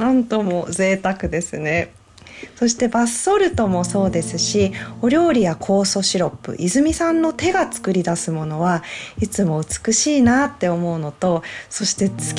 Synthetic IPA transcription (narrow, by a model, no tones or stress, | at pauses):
nãnt̪o̞mo̞ze̞ːt̪akɯ̟d̪e̞sɨne̞ | so̞ɕi̥t̪e̞basːo̞ɾɯ̟t̪o̞mo̞so̞ːd̪e̞sɨɕio̞ɾʲjo̞ːɾʲijakʰo̞ːso̞ɕiɾo̞pːɯ̟̰ʔizɨmʲisãnːo̞t̪e̞ɡat͡sɨ̥kɯ̟ɾʲid̪asɨmo̞no̞βait͡sɨmo̞ɯ̟t͡sɨ̥kɯ̟ɕiːnat̪ːe̞o̞mo̞ɯ̟no̞t̪o̞so̞ɕi̥t̪e̞t͡sɨ̥kʲ